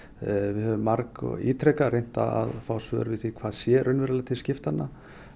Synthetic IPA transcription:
vɪɦœvʏmːaɾkḭːt̪ʰɾɛkaɾejn̥t̪a̰a̰ðfaːwsvœːɾvɪθikʰvaːðsjɛɾʔʏnvɛɾalat̪ʰɪlscɪft̪hanːa

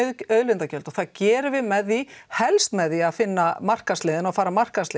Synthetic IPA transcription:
œðlɪnt̪acœlt̪ɔɣθaðcɛːɾʏvɪðmɛðːihɛlst̪mɛðiaðfɪnːamar̥kaslɪːðɪnafaːɾamar̥kaslɪ

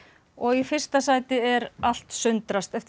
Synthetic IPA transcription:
ɔɣifɪr̥st̪asaːjt̪ɪɛɾal̥t̪sʏnt̪ɾast̪ɛft̪

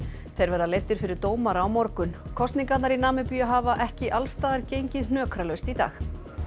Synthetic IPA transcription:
θejɾvɛɾðalejt̪ːɪɾ̥fɪɾɪɾ̥t̪oːwmaɾaːwmɔɾkʏnkʰɔst̪niŋkat̪naɾinaːmɪpyːjaɦaːvaʔɛhcɪʔalst̪aːðaɾcejɲcɪðn̥œːkɾalœɥst̪it̪a̰ːx

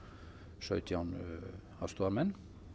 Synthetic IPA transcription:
ʃœʏt̪ʰjɑːn | ɑst̪uːɑɾmɛn

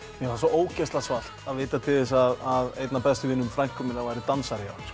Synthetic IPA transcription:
jɛɣfasɔʔoːwcɛst̪lasval̥t̪aðveːt̪at̪ʰɪðɪs̬aðaðejt̪napɛst̪ʏvɪnːʏmfɾajŋkʰɔmɪnavajɾɪt̪ansaɾjaɾ̥

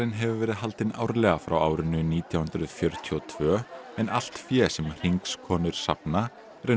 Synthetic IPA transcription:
ɪnɦɛvʏvɛːɾɪðɦalt̪ɪna̰ːwɾlɛːɣafɾawaːwɾʏnʏniːt̪ʰjawhʏnd̪ɾʏðfjœɾt̪ʰiɔt̪ʰvœːɛna̰l̥t̪fjɛːsɛmr̥iŋkskʰɔːnʏɾ̥sa̰pna | ɛɾɪ

